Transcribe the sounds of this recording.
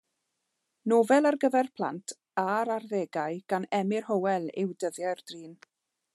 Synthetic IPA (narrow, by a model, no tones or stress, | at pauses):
noːvɛlˠarɡəvɛrpʰlˠa̰ntʰ | aɾarðeːɡaɨɡ̥anɛmɪrhowɛlˠɪwdəðjɛrd̥riːn